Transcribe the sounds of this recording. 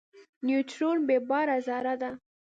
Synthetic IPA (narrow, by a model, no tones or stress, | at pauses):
njutɾonbebɑɾazɑɾad̪a